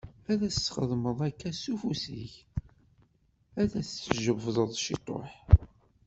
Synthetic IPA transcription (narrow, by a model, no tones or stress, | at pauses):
æðæst͡sːχəðˤməðˤækːæsufusḭç | æðæθt͡sːʒəvvðˤəðˤʃit̪ˤːo̰ħ